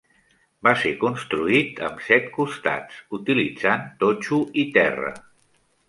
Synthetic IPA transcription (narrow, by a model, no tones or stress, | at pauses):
basekunst̪ɾuit̪ə̰msɛt̪kust̪a̰t͡sut̪ilid͡zant̪ot͡ʃuit̪ɛrə̰